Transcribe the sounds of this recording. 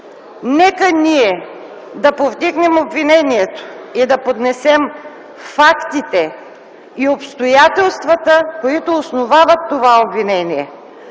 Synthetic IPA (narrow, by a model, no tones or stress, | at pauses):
nɛkəniɛ | d̪ɐpovd̪iɡnɛmobvinɛniɛt̪o̥id̪ɐpod̪nɛsɛm | fakt̪it̪ɛ | iopst̪ojat̪ɛlˠst̪vɐt̪əkoit̪oːsnovavət̪ːovaobvinɛniɛ